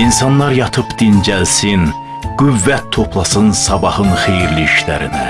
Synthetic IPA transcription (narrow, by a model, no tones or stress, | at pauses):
insɑnlˠɑɾjɑt̪ʰɯpd̪̥ind͡ʒælsin | ɡ̥yvːæt̪ʰːo̞pʰlˠɑsɯnsɑbɑhɯnxejiɾliiʃlæ̰ɾḭnæ